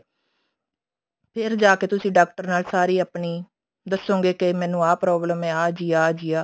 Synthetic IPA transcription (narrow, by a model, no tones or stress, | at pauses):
pʰɪɾd͡ʒaːkeːt̪ʊsĩːɖaːk̚ʈəɾnaːlsaːɾiːəːpɳiː | d̪əsːõːŋɡeːkemɛ̃ːnːũːaːpɾɔːbləmɛ̃ːaːd͡ʒiːaːd͡ʒiːaː